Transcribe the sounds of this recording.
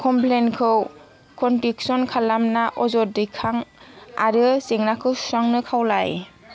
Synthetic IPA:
kʰɔmplenkʰɯw | kɔntiksɔnkʰalamnaʔɔzɔdɯjkʰaŋa̰ɾɯseŋnakʰɯwsaŋnɯkʰawlaj

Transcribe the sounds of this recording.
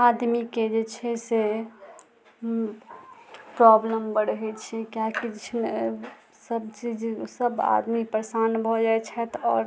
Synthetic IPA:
ad̪miked͡ʒet͡ʃʰɛse | pɾɔbləmbəɽɦɛt͡ʃʰɛkjakid͡ʒt͡ʃʰne | səbt͡ʃid͡ʒsəba̰d̪mipɾəsanbʱɔd͡ʒaɛt͡ʃʰɛt̪ɔ̰ːɾ

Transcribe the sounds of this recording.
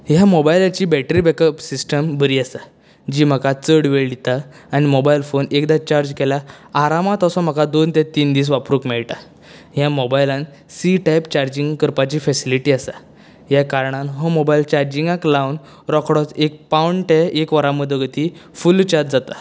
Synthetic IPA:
jamobajlat͡ɕiːbɛʈɾiːbɛkəpsisʈəmbəɾiːasa | d͡ʑiːm̤əkat͡səɽʋeɭɖit̪aː | ñimobajlfonekd̪at͡ɕaɾd͡ʑkɛlaːɾamãt̪ɔsɔm̤əkad̪ont̪ɛt̪iːnd̪iːs̬ʋapɾukmɛɭʈa | jãmobajlãn | siʈajpt͡ɕaɾd͡ʑiŋɡkəɾpat͡ɕiːfɛsiliʈiːasa | jakaɾɳanɦɔmobailt͡ɕaɾd͡ʑiŋɡaklawn | ɾɔkʰɽɔt͡sek̚pawɳʈɛekʋəɾaməd̪ʱəɡət̪ifult͡ɕaɾd͡ʑd͡zat̪a

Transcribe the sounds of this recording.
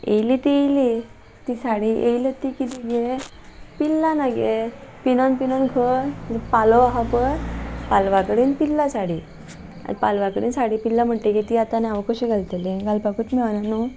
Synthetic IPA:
ḛjlit̪ieli | t̪isaɽiʔejlət̪ːikit̪iɡe | pilːanaɡepinonpinɔnkʰəpalɔaɦapəɾpalʋakəɽiːnpilːasaɽiː | a̰palʋakəɽiːnsaɽiːpilːam̤əɳʈ̪eket̪iat̪aneaʋkəɕiɡʱalt̪elẽɡalpakuːt̪mɛʋnanu

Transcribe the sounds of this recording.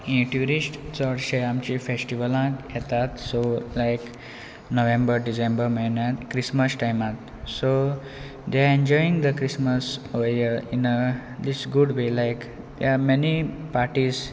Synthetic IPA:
ĩʈjuɾisʈt͡səɽɕeamt͡ɕifesʈiʋəlãkjɛt̪at̪solajk | noʋẽmbəɾɖisẽmbəɾmeɭnat̪kɾisməsʈajmat̪ | so | d̪eaẽɲd͡ʑɔjĩŋd̪əkɾisməsʋeəinəd̪isɡuɖʋelajk | d̪jamɛnipaɾʈiz

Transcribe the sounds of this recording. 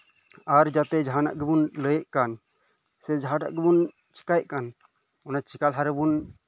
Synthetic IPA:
aɾd͡ʒat̪ɛd͡ʒɦana̰ʔɡibunləjɛʔkan | sɛd͡ʒaʈa̰ʔɡibun | t͡ʃʰi̥kajʔkan | ɔnat͡ʃʰikalɦaɾbun

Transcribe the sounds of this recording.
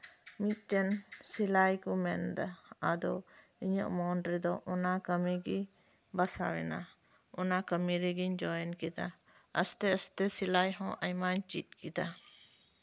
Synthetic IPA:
mit̪̚ˀt̪ɛnsilajkumɛnd̪aad̪ɔ | iɲə̰ʔmɔnɖɾid̪ɔʔɔnakəmiɡi | basa̰wɛ̰na | ɔnakəmiɾiɡiɲd͡ʒɔjɛnkid̪a̰ | əst̪ɛəst̪ɛsilajɦɔ̃ʔajmaɲt͡ʃit̪̚kid̪a

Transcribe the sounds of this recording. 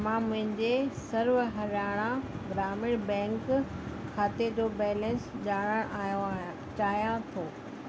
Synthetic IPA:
mãmʊ̃ɦɪ̃ɲd͡ʑesɐɾʋɦɐɾaːɽ̃ãɡɾaːmɪɽbɛ̃ːŋkkʰːaːt̪ed͡ʑoːbɛːlə̃nsʄaːɽ̃əɽ̃ʔaːjo | t͡ɕaːjãt̪ʰoː

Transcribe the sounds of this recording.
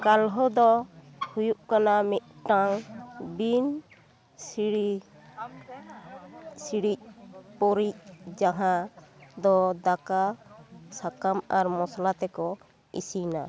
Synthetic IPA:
kalɦɔd̪ɔ | hujuʔkanamit̪̚ʈaŋbin | siɽi | siɽic̚pɔɾic̚d͡ʒaɦad̪ɔd̪aka | sakamaɾmɔslat̪ɛkɔ | ḭsina

